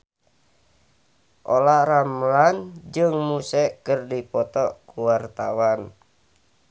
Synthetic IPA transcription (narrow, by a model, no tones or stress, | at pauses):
ʔolaramland͡ʒɨŋmusɛkərdipɔt̪ɔkuwart̪awan